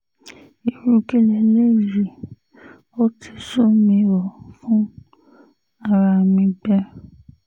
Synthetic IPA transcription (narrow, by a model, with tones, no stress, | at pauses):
i˨ɾũ˧ke˦le˧le˦˨ɾi˨ | o˦tʰi˧su˦mĩ˧ɾɔ˨fũ˦ | a˦˨ɾa˧˨mĩ˧bɛ˦